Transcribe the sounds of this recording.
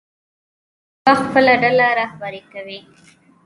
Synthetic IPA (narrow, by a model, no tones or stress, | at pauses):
axpəlaɖalaɾɑhbaɾikawi